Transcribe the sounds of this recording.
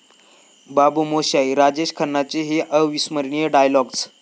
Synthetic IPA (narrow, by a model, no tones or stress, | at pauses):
babumoɕaiɾad͡ʑeɕkʰənːat͡seɦeʔəʋisməɾɳijeɖajlɔɡt͡s